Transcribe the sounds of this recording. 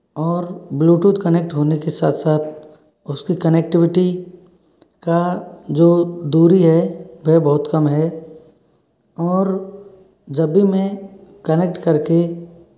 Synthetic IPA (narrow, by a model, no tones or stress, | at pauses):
ɔːɾbluːʈuːʈ̪kənek̚ʈɦoːnekesa̰ːt̪ʰsaːt̪ʰ | ʊskikənek̚ʈɪʋɪʈi | kad͡ʒoːd̪uːɾiɦɛʋeɦbɔɦʊt̪kɐmɦɛ | ɔːɾ | d͡ʒɐbːimẽkənek̚ʈkɐɾke